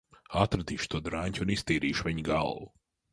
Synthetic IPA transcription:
at̪ɾd̪iʃt̪od̪ɾaːnʲcʰʲunist̪iːɾiːʃʋɛɲɡalːu

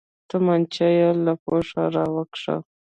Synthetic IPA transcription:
t̪əmant͡ʃajalapoʂaɾɑwakʂa̰

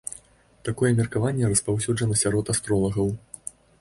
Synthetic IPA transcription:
t̪akɔjɛmʲɛrkavanʲːɛɾɐspawsʲuʐɐnɐsʲaɾɔt̪ast̪ɾɔlˠɐɣɐw

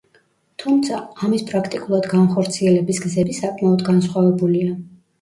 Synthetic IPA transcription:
t̪ʰumt̪sʰaːmispʼɾakʰt̪ʼikʼulˠad̪ɡanχɔɾt̪sʰiɛlɛbisɡzɛbisakʼmaɔd̪ɡansχwavɛbulia

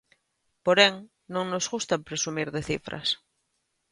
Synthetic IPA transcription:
poɾeŋ | nõŋnozɣust̪apɾesumiɾðeθifɾɐ̰s

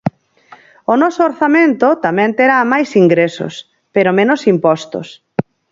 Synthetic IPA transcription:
onɔsooɾθamẽnt̪ʊt̪amɛ̃nt̪eɾamajsiŋɡɾeso̰s | peɾomenʊsimpɔst̪o̰s

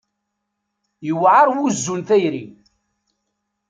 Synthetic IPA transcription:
jəwʕaɾˤwuzːunθæjɾḭ

